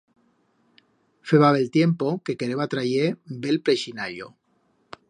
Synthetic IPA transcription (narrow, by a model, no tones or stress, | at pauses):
feβaβelt̪je̞mpo̞ke̞keɾeβat̪ɾajebe̞lpɾeʃinaʎo̰